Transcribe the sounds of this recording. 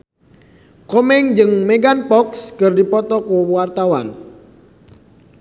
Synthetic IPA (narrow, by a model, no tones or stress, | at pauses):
kɔmɛŋd͡ʒɨŋmeɡanpɔkskərdipɔt̪ɔkuwart̪awa̰n